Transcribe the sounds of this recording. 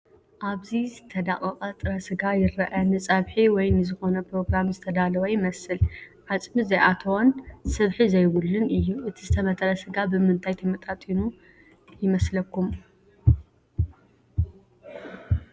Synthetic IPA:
ʔaβzizɨt̪ʰɐd̪akʼɐqʼɐt̪ʼɨɾɐsɨɡajɪɾːɐʔɐnɨt͡sʼɐβħiwɔjnɨzɨxo̞nɐpɾo̞ɡɾamzɨt̪ʰɐd̪alɐwɐjɪmɐsɨlʕat͡sʼmizɐjʔat̪ʰɐwonsɨβħizɐjwʊlːɨnɨjːuʔɨt̪ʰizɨt̪ʰɐmɐt̪ʰɐɾɐsɨɡabɨmɨnt̪ʰajt̪ʰɐmɐt̪ʼat̪ʼinu | jɪmɐslɐkːum

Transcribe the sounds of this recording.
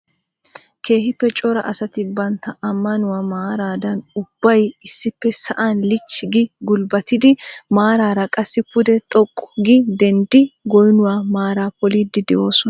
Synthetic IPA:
ke̞ːhɪpːɛt͡ʃʼɔɾɐʔɐsɐt̪ɪbɐnt̪ːɐɐmːɐnʊwaːmaːɾaːd̪ɐnʊb̥ːɐjɪsːɪpːɛsɐʔanlɪt͡ʃːɪɡɪɡʊlbɐt̪ɪd̪ɪmaːɾaːɾɐkʼɐsːɪpʊd̪ɛt̪ʼɔkʼːɔ̥ɡɪd̪ɛnd̪ɪɡɔjnʊwaːmaːɾaːpɔliːd̪ːɪd̪ɛʔo̞ːsɔnɐ

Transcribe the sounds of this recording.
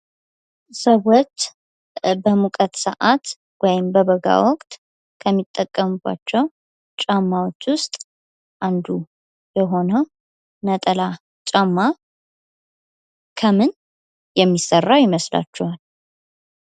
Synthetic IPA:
səwot͡ʃː | bəmukʼət̪səʔat̪ | wɔjɪmbəβəɡa̰wɔkʼt̪ʼ | kʰəmːit̪ʼːəkʼːəmɨba̰t͡ʃːɛw | t͡ʃʼamːawot͡ʃːwʊst̪ʼ | ʔand̪u | jɛɦo̞nəw | nət̪ʼəla | t͡ʃʼamːa | kʰəmɨn | jɛmːisərːajɪməsla̰t͡ʃːɛwal

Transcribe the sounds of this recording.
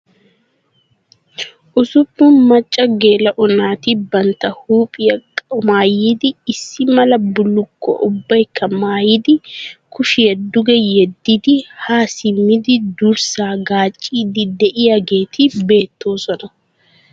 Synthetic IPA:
ʔʊsʊpːʊnmɐt͡ʃʼːɐɡe̞ːlɐʔɔnaːt̪ɪbɐnt̪ːɐhuːpʼɪjɐkʼmaːjiːd̪ɪːsːɪmɐlɐbʊlːʊkːɔ̰ʔʊbːɐjkʰːɐmaːjɪd̪ɪkʊʃɪjɛd̪ːʊɡɛjɛd̪ːɪd̪ɪhaːsɪmːɪd̪ɪd̪ʊɾsaːɡaːt͡ʃʼːiːd̪ɪd̪ɛʔɪjaɡe̞ːt̪ʰɪbe̞ːt̪ːo̞ːsɔnɐ

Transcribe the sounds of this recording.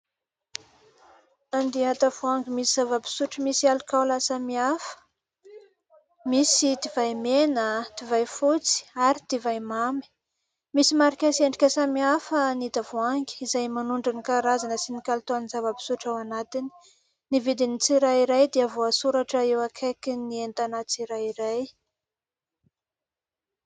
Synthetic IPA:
and̪iat̪avuaŋɡimisizavəpi̥suʈ͡ʂəmisialikawlasamiafə̥ | misit̪ivajmenət̪ivajfut͡si̥aɾit̪ivajmami̥ | misimaɾikʲaseɳɖ͡ʐikʲəsamiafənid̪avuaŋɡi̥izajmanuɳɖ͡ʐinikaɾazanəsinikalit̪oanizavəpi̥suʈ͡ʂawanat̪ini̥ | nivid̪init͡siɾaiɾajd̪eavoasuɾaʈ͡ʂəewakʰekinient̪anat͡siɾaiɾaj

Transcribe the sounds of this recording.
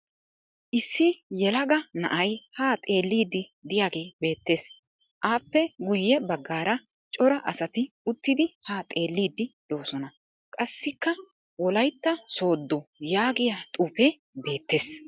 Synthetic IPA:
ʔɪsːɪjɛlɐɡɐnɐ̰ʔɐjhaːt̪ʼe̞ːlːiːd̪ːɪd̪ɪjaːɡe̞ːbe̞ːt̪ːe̞ːs | ʔaːpːɛɡʊjːɛbɐɡːaːɾɐ | t͡ʃʼɔɾɐʔɐsɐt̪ɪ | ʊt̪ːɪd̪ɪhaːt̪ʼe̞ːlːiːd̪ːɪd̪̥o̞ːsɔnɐ | kʼɐsːɪkːɐ | wɔlɐjt̪ːɐso̞ːd̪ːɔjaːɡɪjat̪ʼuːpɛ | be̞ːt̪ːe̞ːs

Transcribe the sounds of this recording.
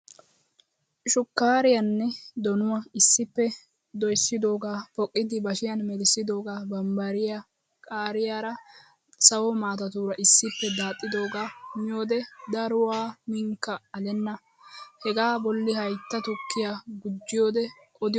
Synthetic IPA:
ʃʊkːaːɾɪjɐnːɛd̪ɔnʊwaɪsːɪpːɛ | d̪ɔjsːɪd̪o̞ːɡaːfɔkʼːɪd̪ɪbɐʃɪjɐnmɛd̪ɪsːɪd̪o̞ːɡaːbɐmbɐɾɪja | kʼaːɾɪjaɾɐ | sɐwɔmaːt̪ɐt̪uːɾɐʔɪsːɪpːɛd̪aːt̪ʼːɪd̪o̞ːɡaːmɪjoːd̪ɛd̪ɐɾʊwaːmɪŋkːɐɐlɛnːɐ | hɛɡaːbɔlːɪhɐjt̪ːɐt̪ʊkːɪjaɡʊd͡ʒːɪjoːd̪ɛ | ɔd̪ɪ

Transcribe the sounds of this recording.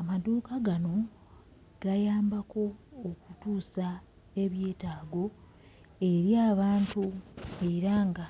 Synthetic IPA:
amaduːkaɡano̞ | ɡ̥ajaːmbako̞ːkutuːsa | e̞βje̞ːtaːɡo̞ | e̞ɾjaːβaːntue̞ɾaŋɡa

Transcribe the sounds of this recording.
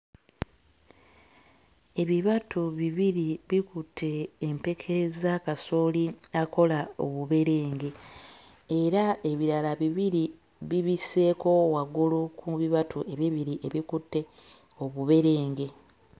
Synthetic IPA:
e̞βiβatʰuβiβiɾiβikutʰːe̞ːmpe̞kʰe̞zakasoːliako̞lao̞̰βuβe̞ɾe̞ːŋɡe̞ː | ɾae̞βiɾalaβiβiɾi | βiβise̞ko̞waɡulukʰuβiβatʰuʔe̞βiβiɾiʔe̞βikutːe̞ | o̞βuβe̞ɾe̞ːŋɡe̞

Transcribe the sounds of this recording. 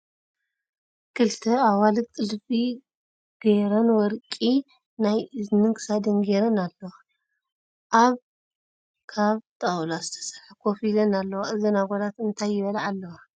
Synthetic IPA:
kʰɨlt̪ʰɐawalɨk̚t̪ʼɨlfi | ɡ̥eɾɐnwɔɾkʼi | najɨznɨŋkʰɨ̥sad̪ɨnɡeɾɐnalːɐwa | ʔaβ | kʰaβt̪ʼɐwlazɨt̪ʰɐ̥sɐ̥lħakʰofilɐnalːɐwaʔɨzɐnaɡod̪at̪ɨnt̪ʰajːɪβɐlaʕalːɐwa

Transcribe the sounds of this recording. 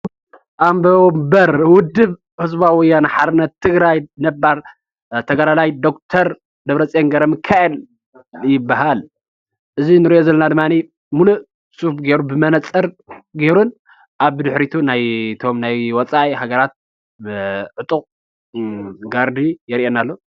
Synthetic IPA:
ʔambɐmbɐɾwʊd̪ːɨb | hɨzbawɔjanaħad̪ɨnːɐt̪ʰːɨɡɾajnɐbːaɾ | t̪ʰɐɡalalajd̪o̞k̚t̪ʰɐɾ | d̪ɐβɾɐt͡sʼjenɡɐɾɐmɨkʰːaʔɐl | jɪbːaɦal | ʔɨzinɨɾiʔozɐlːɐnad̪ɨmːani | mulu | sʼufɡeɾubɨmɐnɐt͡sʼːɐɾ | ɡeɾun | ʔaβd̪ɨħɾit̪ʰunajt̪ʰo̞mnajwɔt͡sʼaʔihaɡɐɾat̪̚ | ʕɨt̪ʼuqʼ | ɡaɾd̪ijɛɾiʔenalːo̞

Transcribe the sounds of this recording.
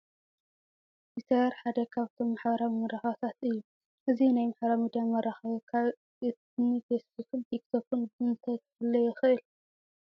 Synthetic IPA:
t̪ʰit̪ʰɐɾħad̪ɐkʰaβt̪ʰo̞mːaħbɐɾamɐɾaxat̪ʰat̪ɨjːu | ʔɨzinajmaħbɐɾamid̪ijamɐɾaxɐkʰa | ɨt̪nifesbukʰɨnt̪ʰik̚t̪ʰokɨnbɨnt̪ʰɐ | ɐlːɐjɪxɨʔɨl

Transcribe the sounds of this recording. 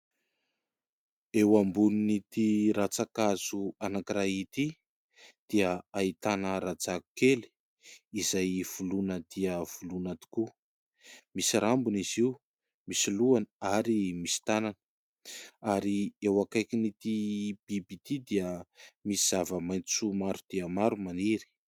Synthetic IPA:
ewambuninit̪iɾat͡sakazuanakiɾait̪i | d̪̥iəait̪anəɾad͡zaku̥keli̥ | izajv̥ulunəd̪̥iəv̥ulunat̪u̥ku | misiɾambuniziu | misiluanəaɾimisi̥t̪ananə̥ | aɾiewakajkinit̪ib̥ibit̪id̪iəmisiz̥avəmajnt͡sumaɾud̪̥iəmaɾumaniɾi̥

